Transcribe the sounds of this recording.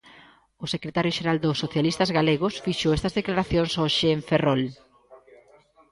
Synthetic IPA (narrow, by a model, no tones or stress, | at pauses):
ʊsekɾet̪aɾjoʃeɾald̪ʊsːoθjalist̪ɐzɣaleɣ̞ʊsfiʃoest̪ɐzðeklaɾaθjonsoʃeːɱferol